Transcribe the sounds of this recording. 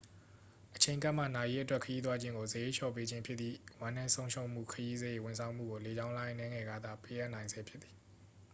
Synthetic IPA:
ʔət͡ɕʰẽ˨ɪ̃ŋka˦ʔm̥ä̰˦˨na˨je˦ʔə˦twɛ˦˨kʰːəji˦t̪wa˦d͡ʑɪ̃˦ŋɡo˨zəje˦ʃɔ̰˦˨pe˦d͡ʑɪ̃˦mpʰjɪ˦t̪t̪ðḭ˦˨wã˦nã˦sõ˦ʊ̃ʃõ˦ʊ̃m̥ṵ˦˨kʰəji˦zəje˦˨wʊ̃˨nsʰã˨ʊ̃m̥ṵ˦˨o˨le˨d͡ʑã˦ʊ̃lã˦nɛ̃˦ŋɛ˨ɡa˦d̪a̰˦˨pe˦ʔa˦ʔnã˨ɪ̃nzɛ˨pʰjɪ˦t̪t̪i̥˨

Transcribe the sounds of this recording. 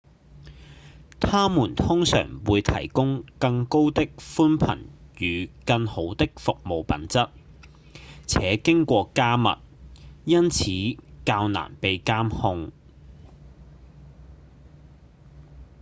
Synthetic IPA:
t̪ʰaː˥muː˨˩nt̪ʰʊ˥ŋsœ̰ː˨˩ŋwuː˨˧jt̪ʰɐ̰˨˩jkʊ˥ŋkɐ˧ŋko˥wt̪ɪ˥k̚fuː˥npʰɐ̰˨˩njyː˨kɐ˧ŋho˨˥wt̪ɪ˥k̚fʊ˨k̚mo˨wpɐ̰˨˥nt͡sɐ˥t̚ | t͡sʰɛː˨˥kɪ˥ŋkʷɔː˧kaː˥mɐ̰˨t̚jɐ˥nt͡sʰiː˨˥kaː˧wna̰ː˨˩npe˨˧jkaː˥mhʊ˧ŋ

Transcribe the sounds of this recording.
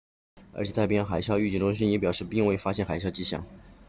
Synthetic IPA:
ə˞˧˥t͡ɕʰɛ˨˩t̪a˥˩pi˥˩jɑ˥˩xa˨˩ɪɕjɑ˥˧ʊy˥˩t͡ɕi˥˩t̪ʊ˥ŋɕ̬i˥jɛ˥pjɑ˨˩ʂɻ̩˥˧pi˥˧ŋwe˥˩ɪfa˥ɕjɛ˥˩nxa˨˩ɪɕjɑ˥˧ʊt͡ɕi˥ɕjɑ̰˥˩˦ŋ

